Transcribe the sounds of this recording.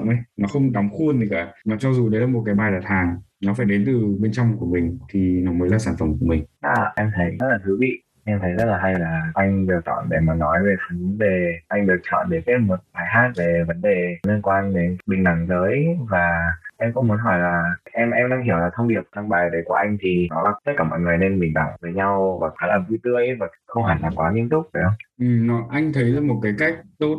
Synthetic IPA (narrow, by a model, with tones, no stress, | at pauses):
nʔa˧jnɔ˨˦xə˧wŋ͡mɗa˨˦wŋ͡mxu˧ənt̪i˨˩ka̰ː˧˩nɔ˨˦t͡ɕɔ˧zu˨˩ɗə˨˦jlaː˨˩mo˨t̚kaː˨˦jɓaː˨˩jɗaː˨˩t̚haː˨˩ŋnɔ˨˦faː˧˩jɗe˨˦nt̪ɨ˨˩ɓe˧nt͡ɕɔ˧wŋ͡mku˧˩əmï˨˩ŋ̟t̪ʰi˨˩nɔ˨˦mə˨˦jlaː˨˩saː˧˩nfə˧˩mku˧˩əmï˨˩ŋ̟ʔaː˨˩ʔɛ˧mt̪ʰə˨˦jzə˦˥t̚laː˨˩t̪ʰɨ˨˦vḭ˧˨ | ʔɛ˧mt̪ʰə˨˦jzə˦˥t̚laː˨˩ɦa˧jlaː˨˩ʔa˧jŋ̟ɗɨ˨˩ək̚t͡ɕɔ̰˧˨nɗḛ˧˩maː˨˩nɔ˨˦jve˨˩t̪ʰɨ˨˦ve˨˩ʔa˧jŋ̟ɗɨ˨˩ək̚t͡ɕɔ̰˧˨nɗe˧˩ke˨˦mo˨˩t̚ɓaː˨˩jhɦaː˦˥t̚ve˨˩və˨˦nɗe˨˩li˧ənkwaː˧nɗe˨˦nɓï˨˩ŋ̟ɗa˧˩ŋzəː˨˦jvaː˨˩ʔɛ˧mkɔ̰˧˦mu˨˦ənɦɔː˧˩jlaː˨˩ʔɛ˧mʔɛ˧mɗaː˧ŋɦi˧˩əwlaː˨˩t̪ʰə˧wŋ͡mɗi˨˩əp̚t͡ɕa˧ŋɓaː˨˩jɗə˨˦jku˧˩ʔa˧jŋ̟t̪ʰi˨˩nɔ˨˦laː˨˩t̪ə˦˥t̚kaː˧˩mɔ̰˧˨jŋɨ˨˩əjne˧nɓï˨˩ŋ̟ɗa̰˧˩ŋvəː˨˦jɲa˧wvaː˨˩xaː˨˦laː˨˩vu˧t̪ɨ˧əjvaː˨˩xə˧wŋ͡mhaː˨˩nlaː˨˩kwaː˨˦li˧ənt̪ʊ˦˥k͡p̚vəː˨˩jʔə˧wŋ͡mʔɨ˨˩mnɔ˨˦ʔa˧jŋ̟t̪ʰə˨˦jzəː˨˧˦mo˨˩t̚kaː˨˦jka˦˥jk̚t̪o˦˥t̚